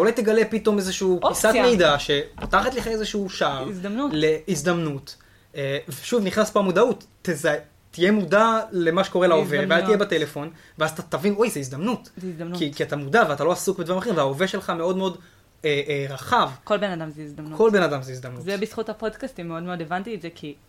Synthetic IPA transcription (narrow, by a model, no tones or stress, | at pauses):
taulajt̪eɡale̞pit̪o̞mezeʃuuːpisat̪mejd̪aʃe̞po̥taχat̪leχaezeʃuuʃaizd̪ɐmnule̞izd̪amnut̪ | eveʃuvniχnaspoamud̪aut̪ː | ezae | t̪ije̞mudale̞maʃeko̞ʁelaovevveazt̪ijebate̞le̞fo̞n | veazatat̪avinojzeizd̪amnutzkikiat̪amudaveat̪alo̞asukbed̪vaʁimχeĩveaove̞ʃe̞lχameo̞dmeo̞d | eʁaχavkolbenad̪amzeizd̪amukʰo̞lbenadamzeizd̪amnuzebisχuthapodkastimːeodmeodevant̪ietzekʰi